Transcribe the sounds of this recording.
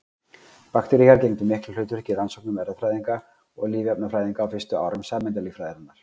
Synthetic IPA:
pakt̪ɛɾiɣaɾcejmt̪ʏmɪhklʏl̥ʏɥt̪ʏɾɛ̥hcɪransɔwknʏmɛɾðafɾaːjðiŋka | ɔɣliːvɛpnafɾaːjðiŋkaːwfɪst̪ʏa̰ːwɾʏmsaːmɛnt̪aliːfɾaːjðɪɾanːaɾ̥

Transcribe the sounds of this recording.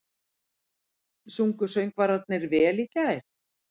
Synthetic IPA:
suŋkʏsœɥŋkvaɾat̪̚nɪɾvɛːliːcaɪɾ̥

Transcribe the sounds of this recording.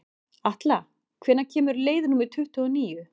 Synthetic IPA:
aht̪la | kʰvɛːnːacʰɛːmʏɾleːjðnuːmɪ̥t̪ʰʏht̪ʏɔniːjʏ

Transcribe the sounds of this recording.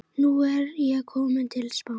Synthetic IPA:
nuɛɾjɛɣkʰɔːmɪnt̪ʰɪlspaw

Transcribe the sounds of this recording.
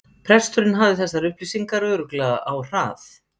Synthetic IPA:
pʰɾɛst̪ʏɾɪnɦavðɪθɛsːaɾʏhplisiŋkaɾœːɾʏklɛːɣa̰ʔawr̥aːθ

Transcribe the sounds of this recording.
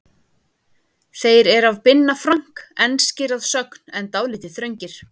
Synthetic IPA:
θejɾɛɾavpɪnːafɾaŋ̥kɛnscɪɾaðsœkn̥ɛnt̪aːwlɪːt̪ɪθɾœɥɲcɪɾ̥

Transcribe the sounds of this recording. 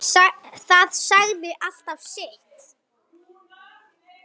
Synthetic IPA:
θaðsaɣðɪʔal̥t̪av̥sɪht̪

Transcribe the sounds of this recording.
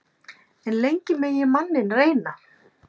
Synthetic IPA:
ɛnlejɲcɪmɛjɛmanːɪnreːjna

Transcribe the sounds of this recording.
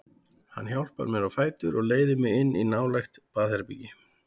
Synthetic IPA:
hanːçjawl̥pa̰ɾmɛɾawfaːjt̪ʏɾɔɣleːjðɪmɪɪnːinaːwlajxt̪paːðhɛɾpicɪ

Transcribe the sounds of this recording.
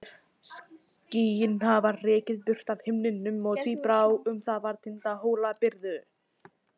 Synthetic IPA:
sciːjɪnhavarɛːcɪðpʏr̥t̪av̥hɪmnɪnːʏmɔɣt̪ʰvipɾaːwʏmθaðvaɾt̪ʰɪnt̪aɦoːwlapɪɾðʏ

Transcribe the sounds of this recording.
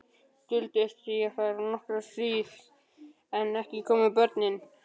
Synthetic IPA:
t̪ʏlt̪ɪst̪ɾijafaɾnɔhkɾasviːθ | ɛnɛhcɪkʰɔːmɪpœɾt̪nɪn

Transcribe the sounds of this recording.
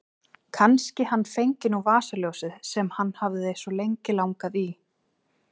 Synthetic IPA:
kʰanscɪhanːfejɲcɪnuvaːsaljowsɪðsɛmhanːhavðɪejnsɔlejɲcɪlawŋkaði

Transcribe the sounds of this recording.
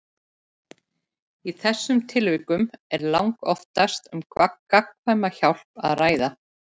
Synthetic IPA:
iθɛsːʏmt̪ʰɪlvɪkːʏmɛɾlawŋkɔft̪ast̪ʏmkvakːakʰvajmːaçawl̥pa̰ðraːjða

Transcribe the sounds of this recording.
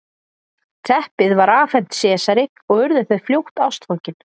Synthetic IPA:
t̪ʰɛhpɪðvaɾaːfɛn̥t̪sɛːsaɾɪ | ɔɣʏɾðʏθaðfljowht̪awst̪fɔcɪn

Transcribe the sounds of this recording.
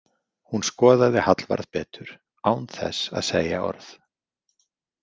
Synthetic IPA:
hunskɔːðaðɪhat̪lva̰ɾðpɛːt̪ʏɾ̥ | aːwnθɛ̰sa̰ðseːjaɔ̰ɾθ

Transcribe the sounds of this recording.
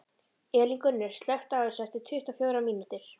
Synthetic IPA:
ɛːliŋkʏɾnɛɾ̥st̪lɛht̪aʏsɛht̪ɪt̪ʰʏht̪afjœːwɾamiːnut̪ɪɾ̥

